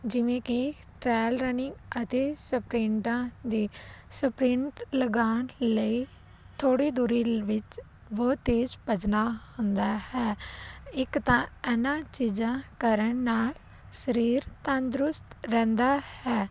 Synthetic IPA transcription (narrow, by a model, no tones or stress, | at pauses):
d͡ʒɪʋẽːkɪ | ʈɾɛːlɾənɪ̃ŋɡət̪eːsəpɾɪ̃ɳʈãːd̪iːsəpɾɪ̃ɳʈləɡaːnləiː | t̪ʰoːɽiːd̪uːɾiːʋɪt͡ʃ | ʋoːt̪eːd͡ʒpəd͡ʒnaːhʊ̃nd̪aːhɛːɪkt̪ãːɛnãːt͡ʃiːd͡ʒãːkəɾəɳnaːl | səɾiːɾt̪ə̃nd̪ɾʊst̪ɾɛ̃ːnd̪aːhɛː